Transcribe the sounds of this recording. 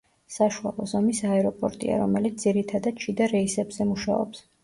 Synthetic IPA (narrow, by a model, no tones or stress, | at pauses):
saʃua̰lˠɔzɔmisaɛɾɔpʼɔɾt̪ʼḭa̰ɾɔmɛlit̪sd̪ziɾit̪ʰad̪ad̪̥̚t͡ʃʰid̪aɾɛisɛbz̥ɛmuʃa̰ɔ̰ps